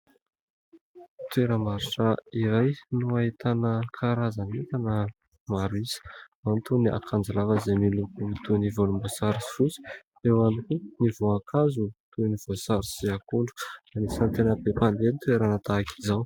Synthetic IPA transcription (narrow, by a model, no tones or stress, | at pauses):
t̪ueɾəmaɾuʈ͡ʂaiɾajnuait̪anəkʰaɾazanit̪anə | maɾisə̥mant̪unia̰kʰand͡zalavəzemilupuit̪univolumbosaɾisi̥fut͡si̥ | ewanikunivoakʰazut̪univ̥osaɾisiakuɳɖ͡ʐu̥nanisant̪enəbepand̪enit̪weɾanat̪aːki̥zaw